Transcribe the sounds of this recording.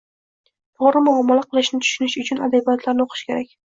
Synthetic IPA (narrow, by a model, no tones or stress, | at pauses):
fɒɾɪmʊamːɒlaqʰɨlˠɪʃnɪt̪ʰʊ̥ʃʊnɪʃʊt͡ʃʰʊnad̪abijɔt̪ʰlaɾnɪoqʰɨ̥ʃkʲe̞ɾakʲ